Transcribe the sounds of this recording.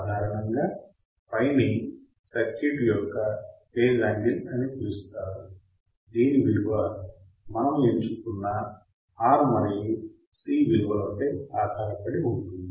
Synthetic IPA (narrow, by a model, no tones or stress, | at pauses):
d̪ʱaːɾɐnɐŋɡaː | pɐjni | sɐkt͡ʃːiʈijɔkːɐpeːɾlaːɳɖinɐnit̪ilust̪aːɾu | d̪iːniʋiɾuʋɐ | mɐnɐmeɲt͡ʃukunːɐ | aːɾmɐɾji | siːʋiɾuʋɐlooːkeːaːd̪ʱaːɾɐpɐɽiuɳʈund̪i